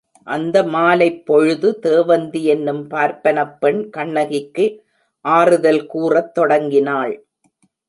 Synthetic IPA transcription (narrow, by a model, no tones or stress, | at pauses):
ʔɐnd̪ɐmaːlɐɪpːɔɻɯðɯt̪eːʋɐnd̪iɛnːɯmpaːɾpɐnɐpːɛɳkɐɳːɐɣɪkːɯ | ʔaːrɯðɐlkuːrɐt̪ːɔɽɐŋɡɪnaːɭ